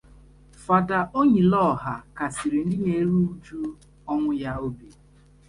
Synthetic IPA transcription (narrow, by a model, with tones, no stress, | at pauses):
fa˨da˨ʔo˦ɲi˨lɔ˦˨ɦa˨ka˨si˨ɾi˨n̩˦dɪ˦ne˨˦ɾu˦u˦d͡ʒu˦ | ɔ˦ŋʷʊ˦ja˦o˦be˨